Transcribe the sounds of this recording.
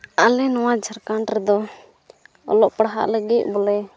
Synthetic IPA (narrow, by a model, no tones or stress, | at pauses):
alɛnɔwad͡ʒʱəɾkaɳʈɾɛd̪ɔ | ɔ̰lɔʔpɽɦa̰ʔləɡic̪̚ˀbɔlɛ